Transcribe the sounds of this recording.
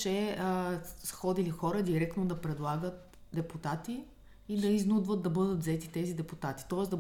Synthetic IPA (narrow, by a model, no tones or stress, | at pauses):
t͡ʃɛəsxɔd̪ilixɔɾəd̪iɾɛk̚t̪nod̪ɐpɾɛd̪lˠaɡət̪̚ | d̪ɛput̪at̪iː | d̪ɐiznud̪vət̪̚d̪ɐbɤd̪ət̪vzɛt̪it̪ɛzid̪ɛput̪at̪i̥t̪ɔɛsd̪ɐ